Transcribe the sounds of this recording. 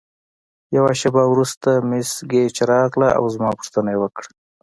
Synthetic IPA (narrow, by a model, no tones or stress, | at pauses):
jawaʃabawɾust̪amesɡet͡ʃaɾɑɣlaa̰wzmɑpʊ̥ʂt̪ənaewəkɽa